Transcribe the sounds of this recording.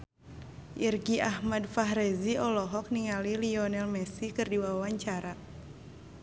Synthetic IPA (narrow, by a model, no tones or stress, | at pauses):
ʔirɡiʔahmadfaɦɾɛziɔlɔɦɔk̚niŋaliliɔnɛlmɛsikɨrdiwawawaɲt͡ʃaɾa